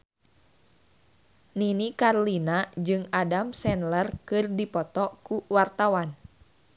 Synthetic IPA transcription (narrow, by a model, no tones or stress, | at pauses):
ninikarlinad͡ʒɨŋadamsɛnlərkɨrdipɔt̪ɔkuwart̪awan